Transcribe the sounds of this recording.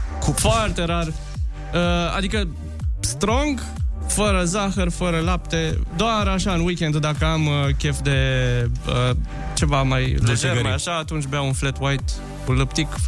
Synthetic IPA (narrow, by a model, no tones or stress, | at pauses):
kufoart̪e̞ɾar | əa̰d̪ikə | st̪ɾo̞ŋɡ | fəɾəzaxərfəɾəlapt̪ed̪oaɾaʃaɨnwikʲend̪d̪akəamkʲefd̪e̞ | ə | t͡ʃe̞vamajleʃeɾmajaʃaːt̪unt͡ʃbeaunflet̪wajt̪ | kulɨpt̪ik